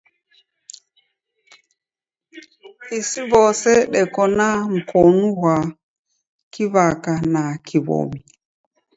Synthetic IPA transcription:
isiβɔsɛɗɛkɔnaŋ̩kɔnuwa | kiβakanakiβɔ̰mi

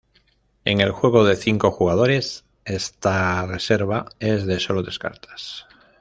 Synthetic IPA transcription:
e̞̰ŋe̞lxwe̞ɣ̞o̞ð̞e̞θiŋko̞xuɣað̞o̞ɾe̞s | e̞st̪are̞se̞ɾβ̞ae̞zðe̞so̞loðe̞ska̰ɾt̪ʰḁs

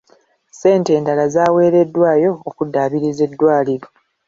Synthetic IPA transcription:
se̞ːnte̞ːndalazaːwe̞ːɾe̞dːwaːjo̞ːkudːaːβiɾize̞dːwaːliɾo̞

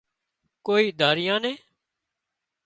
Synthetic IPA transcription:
koːiːd̪ʱaːɾɪjãːnẽː

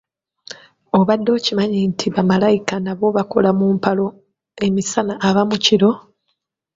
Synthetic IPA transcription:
o̞βadːo̞ːcimaɲintʰiβamalajikanaβo̞βako̞lamuːmpalo̞ | e̞misanaʔaβamuciɾo̞

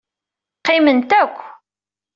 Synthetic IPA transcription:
qːɪmənt̪ækʷː

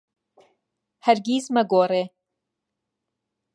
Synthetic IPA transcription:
hɐɾɡiːzmɐɡoːɾe

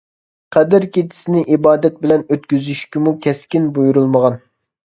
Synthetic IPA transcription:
qʰɛd̪ɪɾkʲet̪ʰɪ̥sɪnɪʔibɑːd̪ɛt̪̚bɪlɛnøt̪kʲyzyʃkʲimukʲʰɛskʲinbujuɾulˠməʁɑn

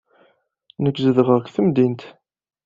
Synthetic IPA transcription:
nəkːzəðəʁəʁkθəmd̪int̪

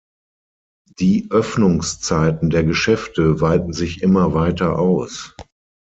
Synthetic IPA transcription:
d̥iːʔœfnʊŋst͡saɪtn̩deːɐɡəʃɛftəvaɪtn̩zɪçʔɪmɐvaɪtɐʔaʊs

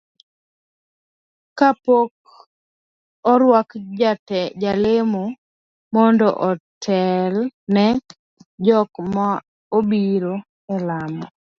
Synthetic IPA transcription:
kapok̚ | ɔɾwakd͡ʒatɛd͡ʒalɪmo | mɔndɔ̰ʔɔtʰɛlnɛ | d͡ʒɔkma | obiɾo | ɛlamɔ

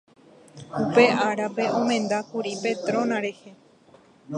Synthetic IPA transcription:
upe̞ʔaɾape̞ʔõmẽ̞nd̪akuɾipe̞t̪ɾõ̞nãɾe̞he̞

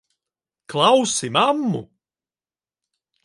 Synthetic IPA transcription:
klˠawsɪmamːṵ

